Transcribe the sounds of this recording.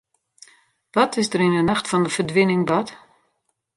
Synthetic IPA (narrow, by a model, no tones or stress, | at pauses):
ʋɔtɪsdəɾɪnənaxtfɔndəfərdʋɪnɪŋbɔt